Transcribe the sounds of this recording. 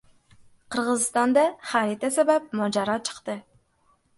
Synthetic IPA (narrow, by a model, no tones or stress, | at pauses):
qʰəɾʁəzɨst̪ɑnd̪ɑχæɾit̪ɛsæbæp̚mɑd͡ʒɑɾɑt͡ʃʰə̥qt̪ɨ